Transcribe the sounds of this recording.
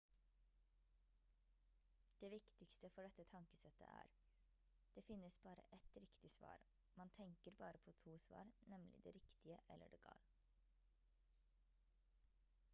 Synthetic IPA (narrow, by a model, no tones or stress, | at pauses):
d̪̥eːʋɪkt̪ɪkst̪əfɔɖɛt̪ːət̪ʰɑŋkəsɛt̪ʰːə̰ʔæ̰ːɾ | d̪̥eːfɪnːəsbɑːɾə̰ʔɛt̪ɾɪkt̪ɪsʋɑ̰ːɾ | mɑnt̪ʰɛŋkəɾbɑːɾəpʰoːt̪ʰuːsʋɑ̰ːɾnɛmlɪ̰d̪ḛːɾɪkt̪ɪəʔɛlːə̰ɖeɡɑ̰ːl